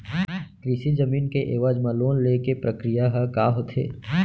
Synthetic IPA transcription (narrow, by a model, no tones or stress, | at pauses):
kɾisid͡ʒɐmiːnkeʔeːʋaːd͡ʒmãloːnleːkepɾɐkɾijaɦɛkaːɦot̪ʰḛː